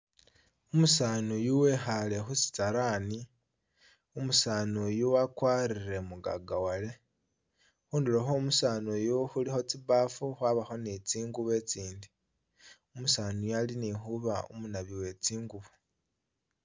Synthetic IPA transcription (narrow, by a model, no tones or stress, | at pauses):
umusaːnujuwe̞xale̞xusi̥taɾaːni | umusaːnujuwakwaːɾiɾe̞muɡa̰ɡawale̞ | xuːndiloxomusaːnujuxulixo̞t͡siβaːfuxwaβaxo̞nit͡siːŋɡuβe̞t͡siːndi | umusaːnujalinixuβaṵmunaβiwe̞t͡siːŋɡuβu